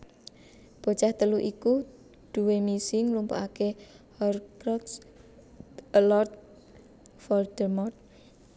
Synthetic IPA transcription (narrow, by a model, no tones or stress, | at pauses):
b̥o̤t͡ʃaht̪əluʔiku | d̪̥ṳwemisɪŋlumpo̰ake | hɔrkɾɔks | lɔrt̪̚ | fɔld̪̥ərmɔrt̪̚